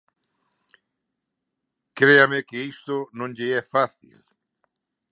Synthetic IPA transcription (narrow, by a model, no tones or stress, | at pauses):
kɾeamɪkɪist̪ʊnõŋʎɪɛfaθḭl